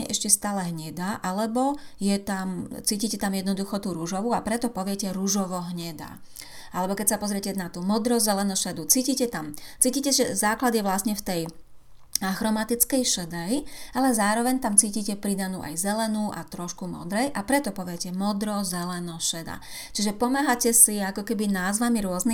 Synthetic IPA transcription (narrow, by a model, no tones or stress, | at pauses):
ɛ̰ʔɛʃcɛst̪aːlɛɦɲɛd̪aʔalɛbɔjɛt̪amt͡siːcicɛt̪amjɛd̪nɔd̪uxɔt̪uːɾuʒɔʋuapɾɛt̪ɔpɔʋɪɛcɛɾuʒɔʋɔɦɲɛd̪a̰ | alɛbɔkɛcsapɔzɾɪɛcɛnat̪uːmɔd̪ɾɔzɛlɛnuʃɛd̪ut͡siːcicɛt̪amt͡siːciːcɛʒɛzaːklad̪jɛʋlasɲɛft̪ɛj | axɾɔmat̪it͡skɛjʃɛd̪ɛjalɛzaːɾɔʋɛɲt̪amt͡siːcicɛpɾid̪anṵːʔa̰jzɛlɛnuːʔa̰t̪ɾɔʃkumɔ̰d̪ɾɛjʔapɾɛt̪ɔpɔʋɪɛcɛmɔd̪ɾɔzɛlɛnɔʃɛd̪a̰ | t͡ʃiʒɛpɔmaɦacɛsiakɔkɛbinaːzʋamiɾʊɔzni